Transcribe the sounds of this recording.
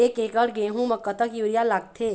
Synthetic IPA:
ekekəɾɡeɦũməkːət̪əkjuɾijalaːɡ̚t̪ʰe

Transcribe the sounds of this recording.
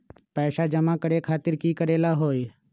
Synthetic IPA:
pɛːʃad͡ʒəmãkəɽekʰaːt̪ɪɾkiːkəɾeːlaɦoːi

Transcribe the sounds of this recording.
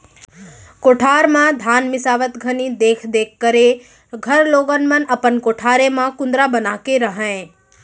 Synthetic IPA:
koːʈʰaːɾmãd̪ʱaːnmɪsaːʋət̪ɡʱənid̪eːkʰd̪eːkʰːəɾe | ɡʱəɾloːɡənmənəpənkoːʈʰaːɾemãkʊ̃nd̪ɾabənaːkeɾəɦə̃

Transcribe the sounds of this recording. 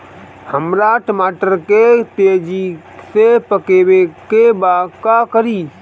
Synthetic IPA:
həmɾaʈəmaːʈəɾket̪ed͡ʒi | sepəkeːbekebakakəɾiː

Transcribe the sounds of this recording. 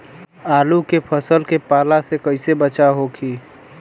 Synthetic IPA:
aːlukepʰəsəlkepaːlasekəɪsebət͡ʃaɦokʰiː

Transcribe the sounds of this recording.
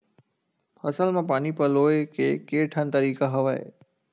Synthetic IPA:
fʰəsəlmãpaːnipəloːekeːkeːʈʰənt̪əɾiːkaɦɐʋaḛ

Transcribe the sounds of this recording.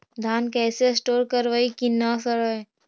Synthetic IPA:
d̪ʱaːnkɛːsesʈoːɾkəɾʋaːikinasəɾaj

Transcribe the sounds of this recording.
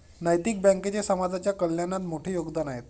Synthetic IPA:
najt̪ik̚bɛ̃ŋket͡ɕasəmad͡zat͡ɕjakəljanːat̪moʈʰiːjoɡd̪anaɦet̪

